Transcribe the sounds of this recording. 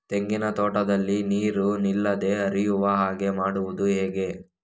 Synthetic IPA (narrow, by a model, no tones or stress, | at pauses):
t̪e̞ŋɡinɐt̪oːʈɐd̪ɐlːiniːɾunilːɐd̪e̞ɦɐɾijuʋɐɦaːɡe̞maːɽuʋud̪uɦeːɡe̞